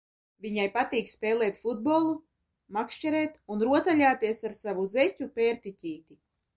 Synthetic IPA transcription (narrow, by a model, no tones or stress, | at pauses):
vʲiɲajpat̪iːkspʲɛːlˠɛːt̪fud̪̚boːlˠu | makʃt͡ʃɛɾɛːt̪unɾuɔt̪alʎʲaːt̪iɛsaɾsavuzɛcʲupɛːɾt̪it̪ʲiːt̪i